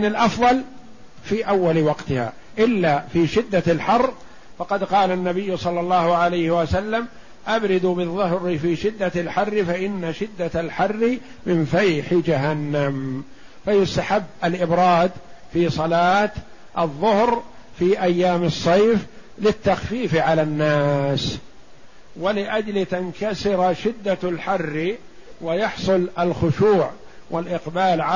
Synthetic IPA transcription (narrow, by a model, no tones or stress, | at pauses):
nɪlʔɑfðˤɑl | fiːʔawːalwɑqt̪ɪha̰ː | ʔɪlːafiːʃɪd̪ːalħɑrː | fɑqɑd̪qɑːlanːabɪjːʊsˤɑlːɑlˤːɑːhʊʕalajhɪwasalːam | ʔabɾɪd̪ubɪðˤːʊhɾɪfiːʃɪd̪ːalħarːɪfaʔɪnːaʃɪd̪ːaalħɑrːɪ | mɪnfajħɪd͡ʒaɦanːam | fajʊst̪aħabːalʔɪbɾˤɑːd̪fiːsˤɑlaːt̪ | ʔɑðˤːʊhɾfiːʔajːaːmɨsˤːɑjf | lɪt̪ːaxfiːfʕalanːaːs | walɪʔad͡ʒlt̪ankasɪɾʃɪd̪ːalħarː | wajɑħsˤʊlalxʊʃuːʕ | wʔalʔɪqbaːlʕa